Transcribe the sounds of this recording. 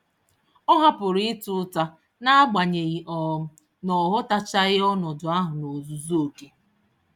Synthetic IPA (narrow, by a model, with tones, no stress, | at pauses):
ɔ˦ɦa˦pʊ˨ɾi˦ɪ˦tʊ˦ta˦ | na˦ɡ͡ba˨ɲe˨ɣi˨ʔɔ˨˦ | nɔ˨ɦʊ˦ta˦t͡ʃa˦ɪ˦ɔ˦nɔ˨dʊ˨a˦ɦʊ˨no˨zu˨zu˦o˨ke˨